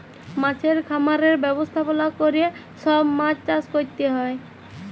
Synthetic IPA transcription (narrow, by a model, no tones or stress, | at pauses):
mãt͡ɕʰeɾkʰamaɾeɾbɛbost̪ʰapolakoɾije | sɔbmãt͡ɕt͡ʃaskoɾt̪eɦɔe